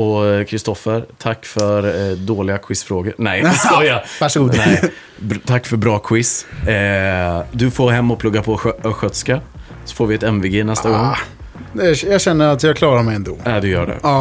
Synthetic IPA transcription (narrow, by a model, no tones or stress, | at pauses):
ɔkʰɾɪst̪ɔfəɾt̪ʰakːfœɾd̪oːlɪɡakʰwɪsfɾoːɡəɾnɛjɛskɑjavæʂɡuːd̪ɛ | t̪ʰakːfœɾbɾɑːkʰwɪs | d̪ɵfoːɾɦɛmːɔpʰlɵɡːapʰɔɧœt̪ska | sɔ̥foːɾvɪɛt̪ɛmvɪɡeːnɛst̪aɡɔŋː | jɑɕɛnːəɾat̪jɑkʰlɑːɾamɛjɛnd̪o̰ːad̪ɵjœ̰ːɖɛ̰